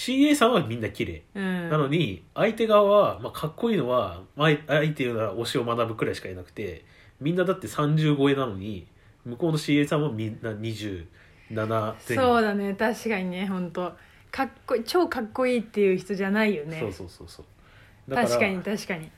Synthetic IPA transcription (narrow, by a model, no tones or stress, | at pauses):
ɕiːe̞ːsãɰ̃βamʲĩnːakʲiɾe̞̰ːɯ̟̃nano̞ɲ̟iait̪e̞ɡaaβamakʰakːo̞iːno̞βamaeait̪ːejɯ̟ːnaɾao̞ɕio̞manabɯ̟kɯ̟ɾaiɕi̥kaenakɯ̥t̪e̞ | mʲĩnːad̪at̪ːe̞sãɲ̟d͡ʑɨːɡoe̞nano̞ɲ̟i | mɯ̟ko̞ːno̞ɕiːe̞ːsãɰ̃βamʲĩnːaɲ̟iʑɨː | nanazẽso̞ːd̪anet̪aɕi̥kaɲ̟ineɦõ̞nt̪o̞ | kakːoit͡ɕo̞ːkakːo̞iːt̪ːe̞jɯ̟çi̥t̪o̞ʑanaijo̞nseo̞ːso̞ːso̞ːsoː | d̪ak̪aaɾikaɲ̟it̪aɕi̥kaɲ̟i